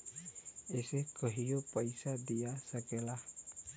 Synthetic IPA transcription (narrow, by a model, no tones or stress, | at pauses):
esehkəɦijopaisadiasakelah